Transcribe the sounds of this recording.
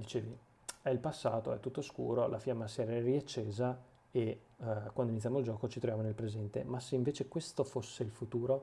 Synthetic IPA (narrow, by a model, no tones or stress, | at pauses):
dilt͡ʃeːvi | ɛilpasːaːt̪oɛt̪ːut̪ːoskṵːɾolʔafjamasiɛɾaɛriat͡ʃːeːza | e | kwand̪oinit̪ːjamoild͡ʒɔːkot͡ʃit̪ɾovjamonelpɾezɛnt̪ḛmaseiɱveːt͡ʃekwest̪ofosːeilfut̪uːɾo